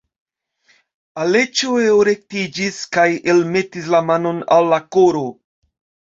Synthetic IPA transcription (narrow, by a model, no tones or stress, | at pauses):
ale̞t͡ʃoeoɾe̞k̚tid͡ʒiskajelme̞tislamano̞na̰lːako̞ɾo̞